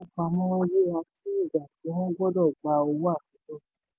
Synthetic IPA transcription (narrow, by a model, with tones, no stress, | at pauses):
k͡pa˧mɔ̃˦ɔ̃˦je˦˨a˧si˦i˦˨ɡa˨ti˨˦w̃ɔ̃˦ɡɔ˦dɔ˦˨ɡ͡ba˨˧o˧wo˦a˦˨ti˨˦tɔ˦